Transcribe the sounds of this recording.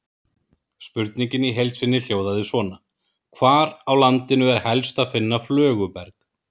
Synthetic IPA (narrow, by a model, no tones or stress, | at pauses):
spʏɾt̪niɲcɪniɦejlt̪svɪnːɪl̥joːwðaðɪsvɔːna | kʰvaːɾawlant̪ɪnʏɛɾ̥hɛlst̪aðfɪnːaflœːɣʏpɛɾk